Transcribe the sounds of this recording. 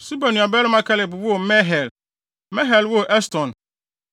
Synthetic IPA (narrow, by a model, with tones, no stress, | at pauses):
su˦ba˨nũ˨a˨bɛ˦lʊ˦mã˦kʰɛ˦lɛ˨bwo˦˨mɛ̃˦ɦɛ˨l | mɛ̃˦ɦɛ˨lwo˦˨ʔɛ˦stʰɔ̃˨n